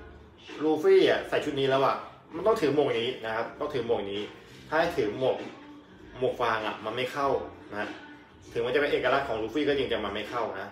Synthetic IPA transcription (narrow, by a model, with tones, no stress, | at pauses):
ɾuː˧fiː˥˩a˨˩sa˨˩˦jt͡ɕʰu˦˥t̪̚niː˦˥lɛː˦˥wa˧˩ | ma˧nt̪ɔ˥ŋt̪ʰɯ˩˦moː˧˩ŋniː˦˥na˦˥kʰa˦˥p̚t̪ɔ˥˩ŋt̪ʰɯː˩˦moː˧˩ŋniː˦˥ | t̪ʰaː˥˩a˥˩jt̪ʰɯː˩˦mo˨˩k̚ | mo˨˩k̚faː˧ŋʔa̰˨˩maː˧ma˥˩jkʰa˥˩wna˧˥ha˥ʔ | t̪ʰɯ˩˦ma˧nt͡ɕa˨˩pe˧nʔeː˨˩ka˧a˦˥t̚kʰɔː˩˦ŋɾuː˧fiː˥˩kɔː˥˩je˧ŋt͡ɕa˨˧˩maː˧ma˥˩jkʰa˥˩wna˦˥